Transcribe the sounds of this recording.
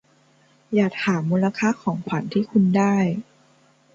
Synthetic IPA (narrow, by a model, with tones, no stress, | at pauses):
jaː˨˩k̚haː˩˦mːuː˧la˧kʰaː˥˩kʰɔː˩˦ŋpʰa˨˩˦nt̪ʰiː˥˩kʰu˧ndaː˥˩j